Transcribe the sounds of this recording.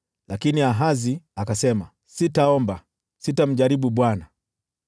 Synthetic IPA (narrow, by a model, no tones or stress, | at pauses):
lakiniaɦaziakasɛma | sitaɔmba | sitam̩ʄaɾiɓuɓwana